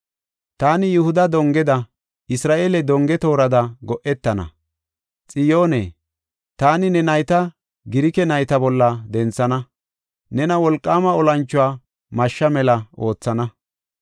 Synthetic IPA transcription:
t̪aːnɪjʊhʊd̪ɐd̪ɔŋɡɛd̪ɐ | ʔɪsɾaːʔeːlɛd̪ɔŋɡɛt̪o̞ːɾɐd̪ɐɡɔʔɛt̪ːɐnɐ̰ | t͡sʼɪjoːnḛː | t̪aːnɪnɛnɐjt̪ɐ | ɡɪɾɪkɛnɐjt̪ɐbɔlːɐd̪ɛnt͡sːɐnɐ | nɛnɐwɔlkʼːaːmɐɔlɐnt͡ʃːʊwaː | mɐʃːɐmɛlɐo̞ːt͡sːɐnɐ

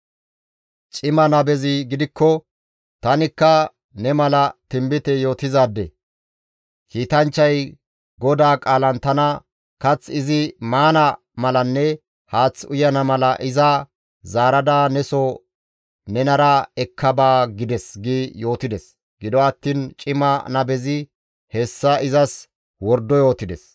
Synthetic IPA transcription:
t͡ʃʼɪmɐnɐbɛzɪɡɪd̪ɪkːɔ | t̪ɐnɪkːɐ | nɛmɐlɐt̪ɪmbɪt̪ɛjo̞ːt̪ɪzaːd̪ːɛ̰ | kiːt̪ɐnt͡ʃːɐj | ɡɔd̪aːkʼaːlɐnt̪ɐnɐ | kɐt͡sːɪzɪmaːnɐ | mɐlɐnːɛ | haːt͡sːʊjɐnɐmɐlɐʔɪzɐ | zaːɾɐd̪aːnɛsɔ | nɛnɐɾɐɛkʰːɐbaːɡɪd̪ɛsɡijo̞ːt̪ɪd̪ɛs | ɡ̥ɪd̪ɔɐt̪ːiːnt͡ʃʼɪmɐnɐbɛzɪ | hɛsːɐɪzɐs | wɔɾd̪ːɔjo̞ːt̪ɪd̪ɛs

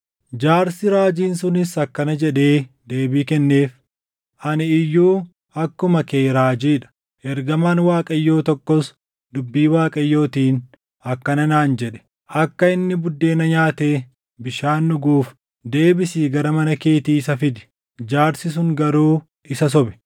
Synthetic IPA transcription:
d͡ʒaːɾsɪɾaːd͡ʒiːnsʊnɪsɐkːɐnɐd͡ʒɛᶑe̞ː | d̪eːbiːkɛnːe̞ːf | ʔɐnɪɪjːuː | ɐkːʊmɐkeːɾaːd͡ʒiːᶑɐ̥ | ʔɛɾɡɐmaːnwaːkʼɐjːo̞ːt̪ɔkːɔs | d̪ʊbːiːwaːkʼɐjːo̞ːt̪iːn | ɐkːɐnɐnaːnd͡ʒɛᶑɛ̥ | ʔɐkːɐɪnːɪbʊd̪ːe̞ːnɐɲaːt̪eː | bɪʃaːnːʊɡuːf | d̪e̞ːbɪsiːɡɐɾɐmɐnɐke̞ːt̪iːɪsɐfɪd̪ɪ̥ | d͡ʒaːɾsɪs̬ʊŋɡɐɾuː | ʔɪsɐs̬ɔbɛ̥

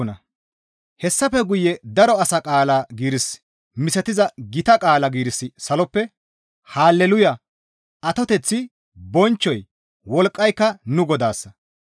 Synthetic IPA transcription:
nɐ | hɛsːɐfɛɡʊjɛd̪ɐɾɔɐsɐkʼaːlaɡiːɾɪs | mɪsɐt̪ɪzɐɡɪt̪ɐkʼaːlɐɡiːɾɪsːɪsɐlɔpːɛ | haːlːɛlʊjɐ | ɐt̪ɔt̪ɛt͡sːɪ | bɔnt͡ʃːɔj | wɔlkʼːɐjkːɐnʊɡɔd̪aːsːɐ

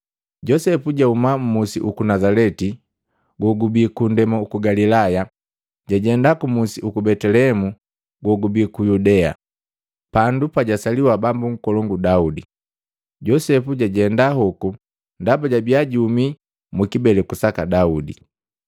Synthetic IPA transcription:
ɟɔsɛpuɟaumam̩musḭʔukunazalɛti | ɡɔɡubikundɛmaukuɡalilaja | ɟaɟɛndakumusiʔukubɛtɛlɛɛmu | ɡɔɡubikujudɛa̰ | pandupaɟasaliwabambuŋ̩kɔlɔŋɡudaudi | ɟɔsɛpuɟaɟɛndaɦɔku | ndabaɟabiaɟiumi | mukibɛlɛkusakadaudḭ

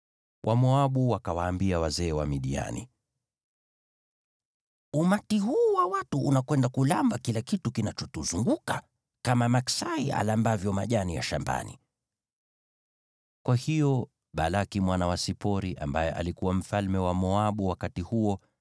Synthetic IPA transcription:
wʔamɔaɓuwakawaːmbiawazɛːwamiɗia̰nḭ | umatiɦuːwawatuʔːnakwɛndakulambakilakitukinat͡ʃɔtuzuŋɡuka | kamamaksaia̰lambavjɔmaʄanija̰ʃamba̰nḭ | kwahijɔ | ɓalakimwanawasipɔɾiʔa̰mbajɛʔa̰likuwam̩falmɛwamɔaɓuwakatihuɔ

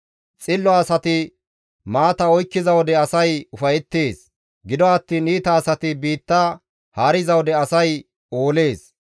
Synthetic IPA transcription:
t͡sʼɪlːɔɐsɐt̪ɪ | maːt̪ɐɔjkːɪzɐwɔd̪ɛɐsɐjʊfɐjɛt̪ːe̞ːs | ɡɪd̪ɔɐt̪ːiːniːt̪ɐːsɐt̪ɪbiːt̪ːɐ | haːɾɪzɐwɔd̪ɛɐsɐj | oːle̞ːs

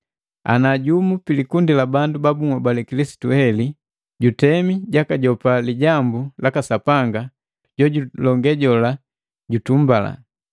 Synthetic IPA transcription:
a̰naɟumupilikundilabandubabuŋwabalɛkilisi̥tuhɛli | ɟutɛmiɟakaɟɔpaliɟambulakasapaŋɡa | ɟɔɟulɔŋɡɛɟɔla | ɟutumbala̰

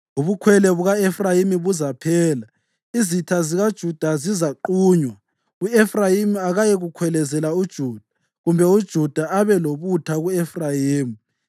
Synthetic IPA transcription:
uβukʰwɛlɛβuɣaɛfrajimiβuzapʰɛːla | izitʰaziɣad̥ʒ̥ʱud̥ʱazizaǃuːɲwa | uɛfrajimiaɣajɛɣukʰwɛlɛzɛlaud̥ʒ̥ʱuːd̥ʱḁ | ɣumbʱɛud̥ʒ̥ʱud̥ʱaaβɛloβutʰaɣuɛfrajiːmi

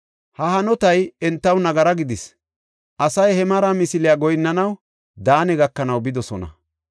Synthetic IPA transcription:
hɐhɐnɔt̪ɐjɛnt̪ːɐwnɐɡɐɾɐɡɪd̪ɪs | ʔɐsɐjhɛmɐɾamɪsɪlɪjaɡɔjnːɐnɐw | d̪aːnɛɡɐkːɐnɐwbɪd̪ɔsɔnɐ̰

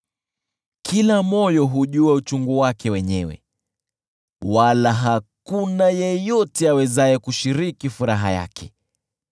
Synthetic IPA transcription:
kʰilamɔjɔɦuʄuaut͡ʃuŋɡuwakɛwɛɲɛwɛ̰ | walaɦakunajɛjɔtɛawɛzaɛkuʃiɾikifuɾaɦa̰ja̰kʰɛ

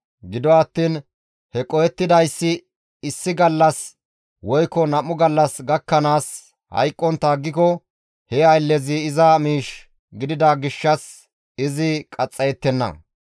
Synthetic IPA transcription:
ɡɪd̪ɔɐt̪ːiːn | hɛkʼɔjɛt̪ːɪd̪ɐjsːɪ | ɪsːɪɡɐlːɐs | wɔjkːɔnɐmʊɡɐlːɐsɡɐkːɐnaːs | hɐ̰jkʼːɔnt̪ːɐːɡːɪkɔ | hɛɐjlːɛzɪːzɐmiːʃ | ɡɪd̪ɪd̪ɐɡɪʃːɐs | ɪzɪkʼɐt͡sʼːɐjɛt̪ːɛnːɐ̰

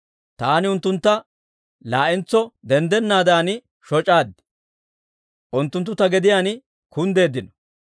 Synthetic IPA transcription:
t̪aːnɪʊnt̪ːʊnt̪ːɐ | laːʔɪnt͡sːɔd̪ɛnd̪ɛnːaːd̪aːn | ʃɔt͡ʃʼaːd̪ɪ | ʔʊnt̪ːʊnt̪ːʊt̪ɐɡɛd̪ɪjaːn | kʊnd̪e̞ːd̪ɪnɔ̥

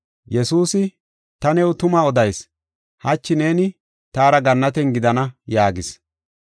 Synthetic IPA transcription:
jɛsuːsɪ | t̪ɐnɛwt̪ʊmɐɔd̪ɐjs | hɐt͡ʃːɪne̞ːnɪ | t̪aːɾɐɡɐnːɐt̪̬ɛnɡɪd̪ɐnɐjaːɡɪs

